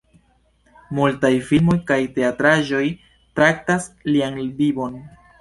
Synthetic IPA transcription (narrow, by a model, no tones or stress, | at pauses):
multajfilmo̞jkajte̞atɾaʒo̞j | tɾak̚tasliaŋbibo̞n